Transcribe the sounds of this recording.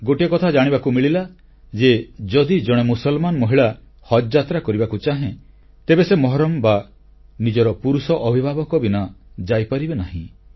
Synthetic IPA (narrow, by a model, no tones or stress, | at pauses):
ɡoʈiɔkɔt̪ʰad͡ʒaɽ̃ibakumiɭila | d͡ʒed͡ʒɔd̪id͡ʒɔɽ̃emusɔlmanɔmɔɦiɭa | hɔd͡ʒd͡ʒat̪ɾakɔɾibakut͡ʃaɦẽ | t̪ebesemɔɦɔɾɔmba | nid͡ʒɔɾɔpuɾusɔʔɔbʱibʱabɔkɔbinɔd͡ʒajpaɾibenaɦĩ